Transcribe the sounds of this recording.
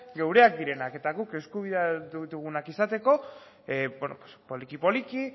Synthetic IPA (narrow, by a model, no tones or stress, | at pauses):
ɡe̞wɾe̞ak̚d̪iɾe̞nake̞t̪aɣuke̞skuβ̞iðaðut̪uɣunakisat̪e̞ko̞ | benopo̥spo̞likipo̞liki